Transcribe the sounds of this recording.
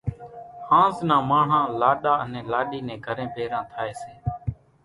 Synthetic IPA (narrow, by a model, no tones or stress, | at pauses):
hãːznãːmaːɳ̤ãːlaːɗaːənẽːlaːɗiːnẽːɡʱəɾẽːpeːɾãːt̪ʰaːeːseː